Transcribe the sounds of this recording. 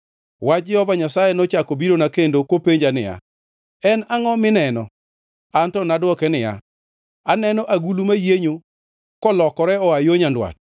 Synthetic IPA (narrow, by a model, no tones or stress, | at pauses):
wad͡ʒɛhɔvaɲasajɛnɔt͡ʃakɔbiɾonakendokwopeɲd͡ʒanɪja̰ | ɛnaŋɔmɪnɛnɔ̰ | antɔnadwɔkɛnɪja̰ | anɛnɔʔaɡulumajeɲo | kɔlɔkɔɾɛɔajoɲandwa̰t̚